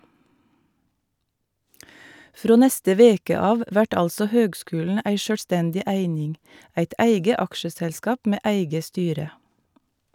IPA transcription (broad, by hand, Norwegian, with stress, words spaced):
ˈfɾoː ˈnɛstə ˈʋeːkə ˈɑːʋ ˈʋæʈ ˈɑlsɔ ˈhøːɡˌskʉːlɳ̩ ˈæɪ ˈʃøːlˌstɛndɪ ˈæɪnɪŋ ˈæɪt ˈæɪɡə ˈɑkʃəsɛlˌskɑːp ˈmeː ˈæɪɡə ˈstyːɾə